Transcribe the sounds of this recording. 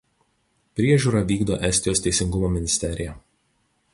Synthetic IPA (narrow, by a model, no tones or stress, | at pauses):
pʲɾʲiɛʒʲuːˑɾɐˑʋʲiːɡd̪o̰ːʔɛsʲt̪ʲɪjoːst̪ʲɛɪsʲɪŋɡʊmoːmʲɪnʲɪsʲt̪ʲɛɾʲɪjɛ